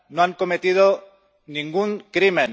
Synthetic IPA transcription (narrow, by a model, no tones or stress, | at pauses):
noaŋko̞met̪ið̞o | nĩŋɡuŋkɾimẽn